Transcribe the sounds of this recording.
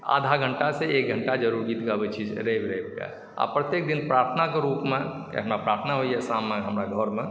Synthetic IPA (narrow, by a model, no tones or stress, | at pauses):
a̰ːd̪ʱaɡʱə̃ɳʈaseeːk̚ɡʱə̃ɳʈad͡ʒəɾuːɾɡiːt̪ɡabət͡ʃʰid͡ʒ̰ɾebɾebɡa̰ | a̰pɾət̪jeːk̚d̪ɪnpɾaːɾt̪ʰənakeɾuːpmḛ̃ | ɦəmɾapɾaːɾt̪ʰnaɦoiɦɛsaːmːẽɦəmɾaɡʱɔɾmẽ